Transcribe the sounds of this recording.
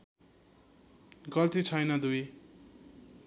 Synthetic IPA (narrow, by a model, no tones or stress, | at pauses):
ɡʌlt̪it͡sʰʌjnʌd̪uj